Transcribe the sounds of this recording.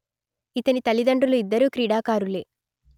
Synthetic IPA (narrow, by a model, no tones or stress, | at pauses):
it̪ɐnit̪ɐlid̪ɐɳɖruluid̪ːɐɾuːkɾiːɽaːkaːɾuleː